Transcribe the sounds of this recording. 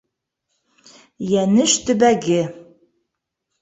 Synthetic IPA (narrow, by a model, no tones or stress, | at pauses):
jænɘʃt̪ɵ̆bæɡɘ